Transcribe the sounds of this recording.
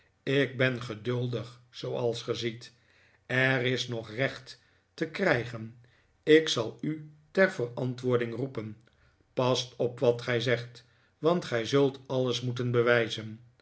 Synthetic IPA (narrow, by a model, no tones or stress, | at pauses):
ɪɡ̚bɛnχədɵlˠdəχsowɑlˠsχəzit | ɛrɪsnɔχrɛχtː | əkrɛjχən | ɪksɑlˠytɛɹvərɑntʋʊːɹdɪŋrupən | pɑstɔpʋɑtχɛjzɛχt | ʋɑntχɛjzɵlˠtɑləsmutənbəʋɛjzən